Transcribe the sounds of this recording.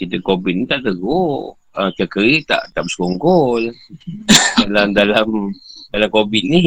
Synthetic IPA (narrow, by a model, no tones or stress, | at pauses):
kit̪əkobit̪̚nit̪aʔt̪əɡo | ət͡ʃakəɾit̪a̰ʔt̪aʔbəsə̥koŋɡɔl | dalamdalamdalamkobit̪̚ni